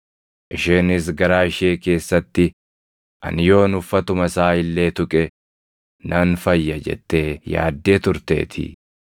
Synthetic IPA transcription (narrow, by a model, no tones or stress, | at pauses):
ʔɪʃeːnɪs̬ɡɐɾaːɪʃe̞ːke̞ːsːɐt̪ːɪ | ʔɐ̰nɪjo̞ːnʊfːɐt̪ʊmɐsaːɪlːe̞ːt̪ʊkʼɛ | nʔɐnfɐjːɐd͡ʒɛ̰t̪ːeːja̰ːd̪ːe̞ːt̪ʊɾt̪e̞̰ːt̪ʰɪ̰